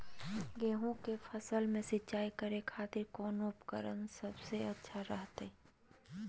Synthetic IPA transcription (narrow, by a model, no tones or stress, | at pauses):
ɡeːɦõkefʰəsəlmẽsɪtːt͡ʃaːikəɾekʰaːt̪ɪɾkɔːnoʊpkəɾə̰nsɐbseɐtːʃʰaɾəɦt̪e